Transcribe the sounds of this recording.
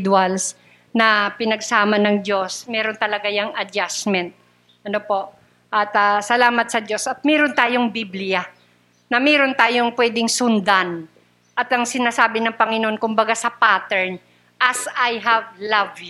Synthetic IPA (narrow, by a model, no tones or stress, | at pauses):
d̪wals | nɐpɪnɐɡsaːmɐnɐŋd͡ʒo̞smɛːɾo̞nt̪ɐlɐɡajaŋɐd͡ʒasmɛnt̪̚ | ʔɐnopo̞ʔ | ʔɐt̪ɐsɐlaːmɐt̪̚sɐd͡ʒo̞sɐt̪̚mɛːɾont̪aːjoŋbiblɪja | nɐmɛːɾont̪aːjoŋpwɛːd̪ɪŋsʊnd̪an | ʔɐt̪ɐŋsɪnaːsaːbɪnɐŋpɐŋɪnoʔonkʊmbɐɡasɐpaːt̪ɛɹn | ʔɐsɐjɦɐvlɐvj